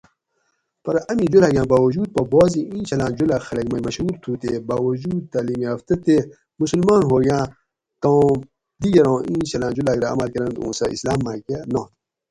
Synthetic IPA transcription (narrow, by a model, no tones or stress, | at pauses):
pɐɾɐʔɐmid͡ʑulaɡʲãːbaːwɐd͡ʑuːd̪̚pɐbɔːzĩʔĩːnɕɐlãːd͡ʑulaxɐlɐkmɐmɐɕhuːɾt̪ʰuːt̪ebaːwɐd͡ʑuːd̪̚t̪aːliːmiɐft̪ɐt̪e | musulmaːnɦoːɡãː | k̪ɐ̃ | d̪iɡɐɾõːʔĩːnɕɐlãːd͡ʑulaɡɾɐɐ̰mɐlkɐɾɐ̃nt̪ṵ̃ːnsɐḭslaːmːãːkijanoː